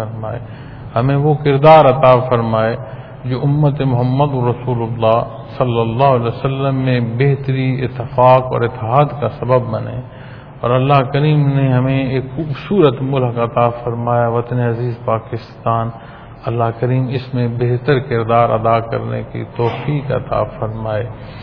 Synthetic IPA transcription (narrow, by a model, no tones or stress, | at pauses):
ɐɾmaːḛː | hɐmẽʋokɪɾd̪aːɾɐt̪aːfɐɾmaːe | d͡ʒoːʊmːət̪emʊɦəmːəd̪ʊɾɐsuːlʊlːaːɦ | sɐlːəlːaːɦlɛːsəlːəmːẽbeɦt̪əɾiɪ̰t̪ːɪfaːkɔ̰ːɾɪt̪ːɪɦaːd̪kasɐbəbːɐnḛ̃ː | ɔ̰ːɾɐlːaɦkəɾiːmneɦɐmẽeːkxuːbsuːɾət̪mʊlɦkaɐt̪afɐɾmaːjaʋɐt̪əneɐziːzpaːkɪst̪aːn | ɐlːaɦkəɾiːmɪsmẽbeɦt̪əɾkɪɾd̪aːɾɐ̰d̪akɐ̰ɾnḛkḭt̪ɔːfiːkɐ̰t̪a̰ːfɐɾmaːeː